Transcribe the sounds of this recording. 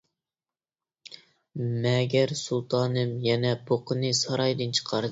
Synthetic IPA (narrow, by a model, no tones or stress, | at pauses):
mɛɡʲɛɾsulˠt̪ʰɑːnɨmjɛnɛpʰoqʰənɨsɑɾɑjd̪ɨnt͡ʃʰə̥qʰɑɾd̪